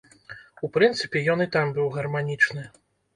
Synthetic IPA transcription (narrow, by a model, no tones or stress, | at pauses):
upɾɨnt̪sɨpʲɛjɔnɨt̪ambɨwɣɐrmanʲit͡ʂnɨ